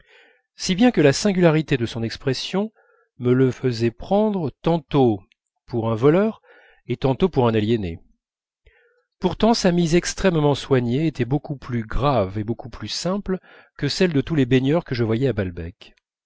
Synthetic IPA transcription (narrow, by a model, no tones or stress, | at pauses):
sibjɛ̃kəlasɛ̃ɡʲylaʁit̪ed̪əsɔ̃nɛkspχɛsjɔ̃ | mələfəzɛpχɑ̃d̪ʁət̪ɑ̃t̪o | puʁɛ̃vɔlœʁ | et̪ɑ̃t̪opuʁɛ̃naljɛnḛ | puʁt̪ɑ̃samizɛkst̪χɛmmɑ̃swaɲeːt̪ɛbokuplyɡʁavebokʰuplysɛ̃pl | kəsɛld̪ət̪ulebeɲœʁkəʒəvwajɛabalbɛk